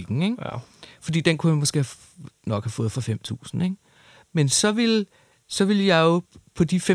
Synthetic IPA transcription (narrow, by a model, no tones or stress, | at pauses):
iɡ̥ŋ̩eŋ̥fɒd̥ḭːd̥enkʰunmo̽sɡ̥e̝ːh | nɒ̽ɡ̥hæfɔ̽ːð̩ˠfɒ̽fem̰t͡sʰṵːsn̩eɡ̥ | mensɒ̽ʋe̝l | sɒ̽ʋe̝ljɑ̈ɪo̝pʰɒ̽d̥ife